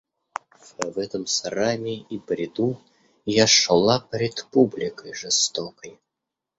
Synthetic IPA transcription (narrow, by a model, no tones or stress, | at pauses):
vvɛt̪əmsɐɾamʲɪipɾʲɪd̪u | jaʂlˠapʲɾʲɪt̪publʲɪkəjʐɨst̪okəj